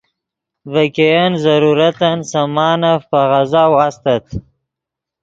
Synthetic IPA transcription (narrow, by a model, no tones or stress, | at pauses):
vakejanzaɾuɾat̪ansamɑːnafpaɣazawast̪at̪